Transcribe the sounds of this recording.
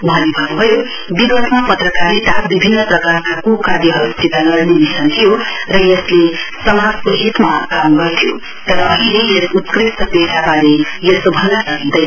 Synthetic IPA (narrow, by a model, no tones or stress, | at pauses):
bʱʌnibʱʌbubʱʌjo | biɡʌt̪mapʌt̪rʌkaɾit̪akbibʱinːʌprʌkarkakukad̪jiɦʌɾutit̪alʌɾnibisʰʌnt̪ʰijorʌjʌslesʌmad͡zkoɦit̪makamɡʌrt̪ʰijo | t̪ʌɾʌːɦĩleesut̪krist̪ʌpeɾabaɾejʌsobʱʌnːʌsʌkd̪ʌj